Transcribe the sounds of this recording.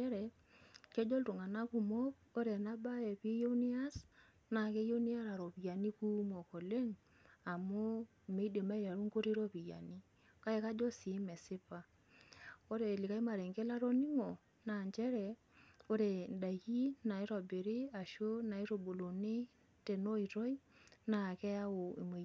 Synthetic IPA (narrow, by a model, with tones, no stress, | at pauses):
ɛ˦ɾɛ˨ | ke˦d͡ʒo˦ltu˨ŋa˨na˦ku˨mo˦po˦ɾe˨na˦ba˦e˨pi˦jo˦ni˦a˦s | na˨ke˦jo˦ni˦a˦ɾa˨ɾo˨pi˨ja˨ni˦ku˦mo˨ko˨le˦ŋ | a˨mʊ˦ | me˦i˦de˨mba˦ɾa˨ɾu˦ŋko˦ɾe˦ɾo˦pi˨ja̰˨ni˦ | ka˦e˨˦ka˦d͡ʒɔ˦si˨˦mɛ˨sɪ˦pa˦ | o˦ɾe˨li˨ka˦i˦ma˨ɾe˨ŋɡe˦la˦ɾo˦ni˦ŋo˨ | na˨nt͡ʃɛ˦ɾɛ˨ | o˦ɾe˨nda˨ji˦na˨ɪ˦ɾɔ˨be˨ɾi˦a˨ʃo˦na˨ɪ˦ɾo˨bo˨lo˨ne˦ | te˨no˦i˨ɾo˦i˦na˨kɛ˦a˦wo˨ḭ˨me˨